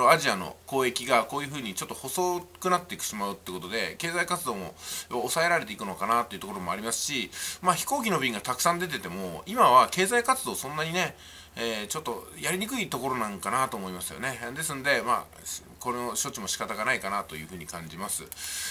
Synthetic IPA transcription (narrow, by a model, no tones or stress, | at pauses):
oaʑiano̞̰ko̞ːe̞kʲiɡako̞ːjɯ̟ɸɯ̟ːɲ̟it͡ɕo̞t̪ːo̞ho̞so̞ːkɯ̟nat̪ːe̞ikɯ̟̥ɕimaɯ̟t̪eɯ̟ko̞t̪o̞d̪e̞ke̞ːzaikat͡sɨd̪o̞ːmo̞̰osae̞ɾaɾe̞t̪e̞ikɯno̞kanat̪ːo̞jɯ̟t̪okoɾo̞mo̞aɾʲimasɨ̥ɕimaːçi̥ko̞ːkʲino̞bʲĩŋɡat̪akɯ̥sãnd̪e̞t̪̬e̞t̪e̞mo̞imaβ̞ake̞ːzaikat͡sɨd̪o̞ːsõ̞nːaɲ̟ine̞ | eːt͡ɕo̞t̪ːo̞jaɾʲiɲ̟ikɯ̟it̪o̞ko̞ɾo̞nãŋkanat̪o̞ːmo̞imasɨjo̞̰ne̞d̪e̞sɨnod̪e̞ma̰ː | ko̞noɕo̞t͡ɕimo̞ɕi̥kat̪aɡanaikanat̪o̞jɯ̟ːɸɯ̟ːɲ̟ikãɲ̟d͡ʑimasɨ̰